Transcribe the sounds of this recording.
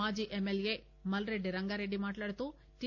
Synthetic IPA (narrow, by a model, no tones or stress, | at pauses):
aːd͡ʒiːʔemːelje̞ː | mɐlɾe̞ɖːiɾɐŋɡaːɾe̞ɖːimaːʈlaːɽut̪uː | t̪i